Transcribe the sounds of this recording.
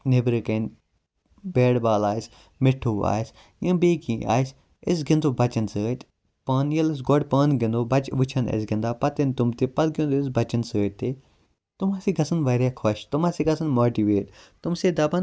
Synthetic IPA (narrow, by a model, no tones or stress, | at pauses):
nebɾekɐn | beːɽbaːlaːjs | mɪʈʰuːa̰ːjs | jɐ̃ːbeːkĩːa̰ːs | ɪs̬ɡind̪oːbɐt͡ʃɐnsəːt̪ʲ | pɐːnjɐlɐs̬ɡoɽpɐːnɡɪ̃nd̪oːbɐt͡ʃʋɨt͡ʃʰɐnɐ̰s̬ɡĩnd̪aːpɐt̪int̪umt̪epɐd̪̚ɡĩnd̪oːɪsbɐt͡ʃɐnsəːtt̪eː | t̪umaːsiɡɐsɐnʋɐɾʲjaːkʰɐʃt̪umaːsiːɡɐsɐnmoːʈiːʋeːʈt̪umseːd̪ɐbɐn